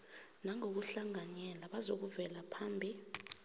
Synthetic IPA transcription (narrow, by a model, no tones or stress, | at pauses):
naŋok̬uɬaŋaɲɛlaɓazok̬uvɛlapʰaːmbʱi